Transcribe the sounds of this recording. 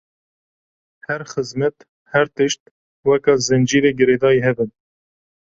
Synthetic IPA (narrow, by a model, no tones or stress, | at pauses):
hɛɾxɨzmɛt̪ | hɛɾt̪ɨʃt̪̚ | wɛkɑːzɨnd͡ʒiːɾeːɡɨɾeːd̪ɑːjiɦɛbɨn